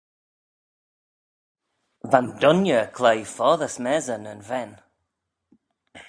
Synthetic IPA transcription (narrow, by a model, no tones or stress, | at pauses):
vãndɔnjəkʰl̥ejfɔːðəsmɛzənənvɛn